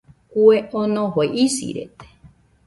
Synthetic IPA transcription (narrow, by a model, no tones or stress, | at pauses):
kueʔõnõhoʔisḭɾḛt̪e̥